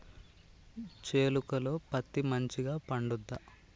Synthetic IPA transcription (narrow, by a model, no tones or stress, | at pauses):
t͡ʃeːlukɐlo̞ːpɐt̪ːimɐɲt͡ʃiɡaːpɐɳɖud̪ːɐ